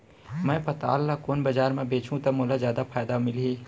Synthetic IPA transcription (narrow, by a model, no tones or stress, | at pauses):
mɛ̃ːpɐt̪a̰ːlːakoːnbɐd͡ʒaːɾmẽbeːt͡ʃʰũt̪ɐmoːlazjaːd̪afʰaːjd̪amɪleː